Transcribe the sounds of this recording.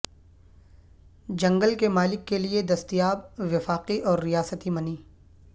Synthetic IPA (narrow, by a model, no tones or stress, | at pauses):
d͡ʒɐ̃ŋɡəlkemaːlɪkːelied̪ɐst̪ijaːbʋɪfaːqiʔɔːɾːijaːsət̪imɐniː